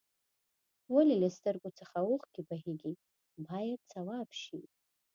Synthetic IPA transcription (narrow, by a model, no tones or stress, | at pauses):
walʲilʲestʼɨrkʷʼʊt͡sʰaχawʊχɡ̥ʲibaʁʲiɡʲitʼ | bajat͡sʰawapʰʃitʼ